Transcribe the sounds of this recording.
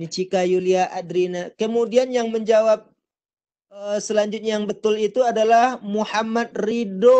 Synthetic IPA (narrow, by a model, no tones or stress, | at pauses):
nit͡ʃikajuliaʔadɾinakəmudianjaŋməɲd͡ʒawap̚ | əsəlaɲd͡ʒʊt̪̚ɲjaŋbət̪ʊlit̪uadalahmuhamat̪̚rido